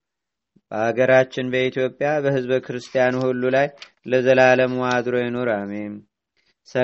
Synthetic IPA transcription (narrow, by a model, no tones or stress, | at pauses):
b̥əhaɡəɾat͡ʃːɪnbəit̪ʰjo̞pʼːjabəhɨzβkʰɨɾɨst̪ʰijanuhulːulaj | ləzəlaləmwad̪ɾo̞jɛno̞ɾamem | sə